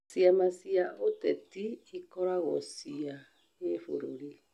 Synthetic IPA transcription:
siamasiaotɛtiːkɔɾaɣɔsia | efṵɾoɾi

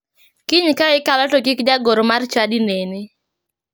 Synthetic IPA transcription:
kiɲkaɪkalɔtɔkɪkd͡ʒaɡoɾmart͡ʃadinene

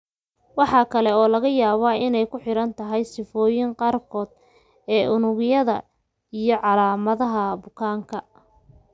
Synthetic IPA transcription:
wɑħɑːkʰɐlɛɔːlɐɣɐjaːβaːɪnɛjkʰʊħɪɾɐnt̪ʰɐɦɛjsɪfɔːjɪŋqɑːrkʰɔːd̪ | ɛːʔʊnʊɣjɐðɐ | ijɞʕɑlaːmɐðɐɦɐbʊkʰaːŋkʰɐ

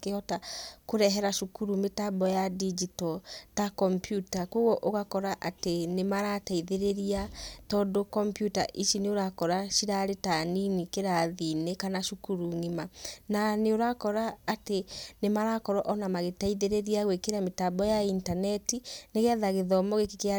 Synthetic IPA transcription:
keɔtakoɾɛɦɛɾaʃukuɾumetabɔjadid͡ʒitɔtakɔmpjutakoɣɔʔoɣakɔɾaʔatenemaɾataiðeɾeɾiatɔːdokɔmpjuta̰ʔiʃineoɾakɔɾaʃiɾaɾetaninikeɾaðinekanaʃukuɾuŋimananeoɾakɔɾaːtenemaɾakɔɾɔʔɔnamaɣetaiðeɾeɾiaɣwekeɾametabɔjaintanɛtineɣɛðaɣeðɔmɔɣekekea

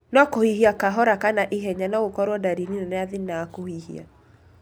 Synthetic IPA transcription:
nɔkohiɦiakaɦɔɾakanaʔiɦɛɲanaɣokɔɾwɔdaɾininanaaðinaakohihḭa̰

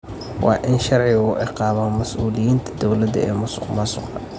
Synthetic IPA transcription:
wɑ̰ːʔɪnʃɑrʕɪɣʊʔɪqɑːβɐmɐsʔuːlɪjiːnt̪ʰɐ̥d̪ɔwlɐðɐɛ̰ːmʊsʊ̥qmɐsʊqɐ

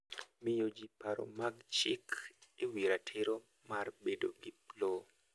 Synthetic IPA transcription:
mɪjod͡ʒipaɾo̰maɡt͡ʃɪkewiɾatʰɪɾo | marbedoɡiplo

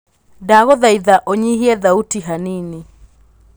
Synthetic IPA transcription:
daɣɔðaiðaʔoɲiɦiɛðautiɦanini

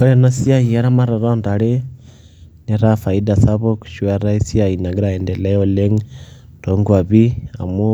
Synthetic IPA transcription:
koɾenasiaiaɾamaɾaɾondaɾe | neɾafaidasaβoku̥ʃwaɾaisjainaɡiɾaendelajoleŋ | ɾoŋɡwaβia̰mu

